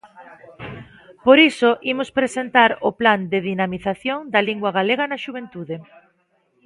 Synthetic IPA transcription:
poɾisoʔimʊspɾesent̪aɾʊpland̪ɪðinamiθaθjoŋd̪ɐliŋɡwɐɣaleɣɐnɐʃuβ̞ent̪uðe

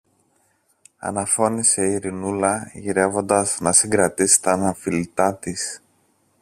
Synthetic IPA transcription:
ɐ̰nɐfo̞nise̞iɾinulɐʝiɾe̞vo̞nd̪ɐznɐsiŋɡɾɐt̪isi̥t̪ɐnɐfilit̪ɐt̪is

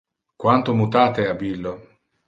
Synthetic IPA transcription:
kwant̪ʊmut̪aːt̪eabilːo

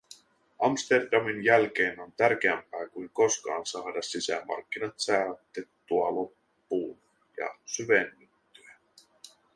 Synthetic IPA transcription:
ʔɑmst̪erdɑminjælk̟e̞ːno̞nt̪ærk̟eæmpæːkuiŋko̞skɑ̰ːnsɑːdɑsːisæmɑ̰rkːinɑt̪sæːt̪ːet̪ːuɑlo̞pː | uː | jɑ̰syʋenːyt̪ːyæ

